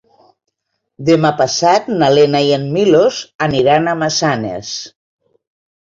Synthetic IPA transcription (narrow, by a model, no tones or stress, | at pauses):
d̪emapasat̪nalenaienmilozaniɾanamasanḛs